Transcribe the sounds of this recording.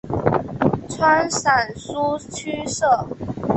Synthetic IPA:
t͡sʰwa˥nsa˨˩nsu˥t͡ɕʰy˥ʂɤ˥˩

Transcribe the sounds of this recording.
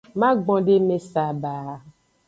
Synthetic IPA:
mã˦ɡ͡bɔ̃˨ɖe˦me˨sa˨baː˨

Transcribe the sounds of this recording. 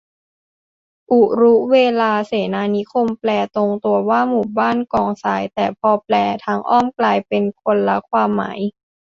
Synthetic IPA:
ʔu˨˩ɾu˦˥weː˧laː˧seː˩˦naː˧ni˦˥kʰo˧mplɛː˧t̪o˧ŋt̪u˧ɐwaː˥˩muː˨˩baː˥˩nkɔː˧˩ŋsaː˩˦jt̪ɛː˨˩pʰɔː˧plɛː˧t̪ʰa˦˥ŋʔɔː˥˩mklaː˧jpe˧nkʰo˧nla˦˥kʰwaː˧mːa̰ː˩˦j

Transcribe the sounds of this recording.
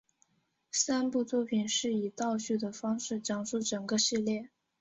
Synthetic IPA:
sa˥npu˥˧t͡swɔ˥˩pʰi˨˩nʂɻ̩˥˩i˨˩t̪ɑ˥˧ʊɕy˥˩d̪ə˩fɑ˥ŋʂɻ̩˥˩ʈ͡ʂɑ˨˩ŋʂu˥˩ʈ͡ʂɤ˨˩ŋɡə˦ʂɻ̩˥˧ljɛ˥˩

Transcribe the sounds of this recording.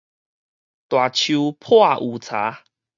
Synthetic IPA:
t̪wa˨˩t͡ɕʰu˧pʰwa˥˧ʔu˨˩t͡sʰa̰˨˦

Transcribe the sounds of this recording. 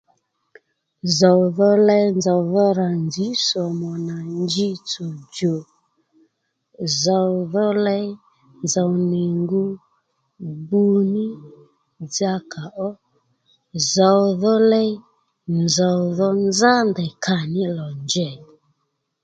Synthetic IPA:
za˨wðɔ˦lɛ˧jnd͡za˨wðɔ˦ɾa˨nd͡ʒi˨˦sɔ˨mɔ˨na˨nd͡ʒi˦t͡so˨d͡ʒo˨ | za˨wðɔ˦lɛ˦ | nd͡za˨wnɛ˨ŋɡu˦ | bu˧nɪ˦ | d͡za˧kʰa˨ʔɔ˦ | za˨wðɔ˦lɛ˦ | nd͡za˨wðɔ˦nd͡za˦ndɛ˨kʰa˨nɪ˦lɔ˨nd͡ʒɛ˦˨

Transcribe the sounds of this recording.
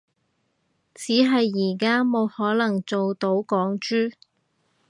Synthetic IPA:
t͡siː˨˥ɦɐ˨jːiː˨˩kaː˥mo˨˧whɔː˨˥lɐ˨˩ŋt͡so˨wt̪o˨˥wkɔː˨˥ŋt͡ʃyː˥

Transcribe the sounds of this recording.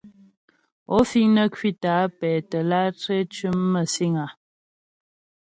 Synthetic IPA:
ɔ˦fi˦ŋnə˦kʰɥi˦ta˨˦pɛː˨tə˨la˦te˦t͡ʃɥʉ˦mːə˦˨si˦ŋa˨

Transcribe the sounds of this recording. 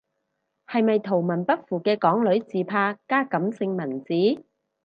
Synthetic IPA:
hɐ˨jmɐ˨jt̪ʰo˨˩wmɐ˨˩npɐ˥t̚fuː˨˩kɛː˧kɔː˨˥ŋlɵ˨˥ɥt͡siː˨pʰaː˧kaː˥kɐ˨˥msɪ˧ŋmɐ˨˩nt͡siː˨˥

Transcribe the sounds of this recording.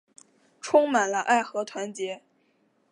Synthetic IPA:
ʈ͡ʂʰʊ˥ŋma˨˩nlə˦ʔa˥˩ɪxɤ˧˥t̪ʰwa˧˥nt͡ɕjɛ˧˥

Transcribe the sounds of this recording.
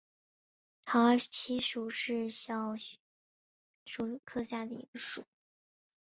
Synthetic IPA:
t̪ʰɑ˧˥˧t͡ɕʰi˧˥ʂu˨˩ʂɻ̩˥˩ɕjɑ˨˩ʊ | ʂu˧˥˩kʰɤ˥˧ɕja˥˩d̪ə˩ḭ˧˥ɡ̥ə˧ʂṵ˨˩˦

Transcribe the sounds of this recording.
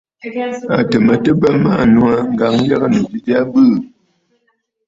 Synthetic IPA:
a˨tə˨mə˨tə˦bə˦ma˦˨nu˦a˦ŋ̩˦ɡa˨ŋ˦ja˦ɣə˦nu˨d͡ʒi˦di˦a˦bɨ˦˨

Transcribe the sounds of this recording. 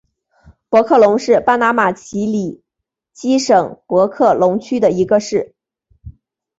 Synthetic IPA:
pwɔ˧˥kʰɤ˥˩lʊ˧˥ŋʂɻ̩˥˧pa˥na˧˥ma˨˩t͡ɕʰi˧˥li˨˩ | t͡ɕi˥ʂɤ˨˩ŋpwɔ˧˥kʰɤ˥˩lʊ˧˥ŋt͡ɕʰy˥d̪ə˨i˧˥ɡə˧ʂɻ̩˥˩

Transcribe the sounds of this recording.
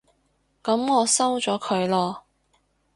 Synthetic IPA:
kɐ˨˥mŋɔː˨˧sɐ˥wt͡ʃɔː˨˥kʰɵ˨˧ɥlɔː˧

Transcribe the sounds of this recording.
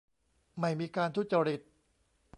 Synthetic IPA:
ma˥˩jmiː˧kaː˧nt̪ʰu˧˥˩t͡ɕa˧ɾi˨˩t̪̚

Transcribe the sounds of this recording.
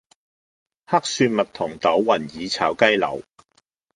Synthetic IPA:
ha˥k̚syː˧nmɐ˨t̪ʰʊ˨˩ŋt̪ɐ˨˥wːɐ˨˩njiː˨˧t͡sʰaː˨˥wkɐ˥jlɐ̰˨˩w

